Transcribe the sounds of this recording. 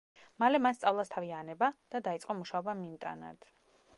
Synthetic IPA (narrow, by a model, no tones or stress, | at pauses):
malɛmanst̪sʼavlˠast̪ʰavianɛbad̪̥ad̪ait̪sʼqʼɔmuʃaɔbamimt̪ʼa̰na̰d̪̥